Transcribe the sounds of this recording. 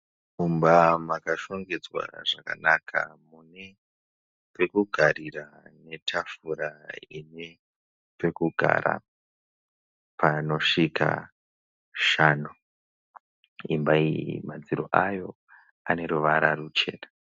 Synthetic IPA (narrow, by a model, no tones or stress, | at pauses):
kumbamakaʃo̞ŋɡed͡zwa̰ʐaka̰nakʰa̰mune | pe̞kuɡʱaɾira | ne̞tʰafuɾaine | pe̞kuɡʱa̰ɾa̰ | pʰano̞ʂika̰ | ʃaːnu | imbaimad͡ziɾoʔajo̞ | ane̞ɾuʋaɾarut͡ʃe̞ːna